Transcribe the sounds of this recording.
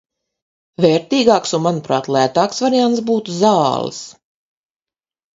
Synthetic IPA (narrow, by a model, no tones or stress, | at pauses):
vɛːɾt̪iːɡɑːksunmanupɾa̰ːt̪lˠæːt̪aːksvaɾiant̪sbuːt̪uzɑːlˠɨ̰s